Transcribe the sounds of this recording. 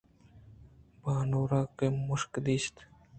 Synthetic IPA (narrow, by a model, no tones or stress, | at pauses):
baːnoːɾaːkemʊʃkd̪iːst̪